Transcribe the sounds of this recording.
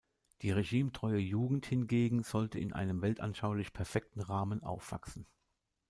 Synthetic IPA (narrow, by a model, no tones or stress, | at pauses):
d̥iːʁeʒiːmtʁ̥ɔʏəjuːɡŋ̩thɪnɡeːɡŋ̩z̥ɔltəɪ̰nʔa̰ɪnəmvɛltʔa̰nʃaʊlɪçpʰɛɐfɛk̚tn̩ʁaːmənʔa̰ʊfv̥a̰ksn̩